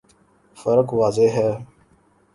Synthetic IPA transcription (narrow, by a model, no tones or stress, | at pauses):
fəɾəkʋaːzeɦɛː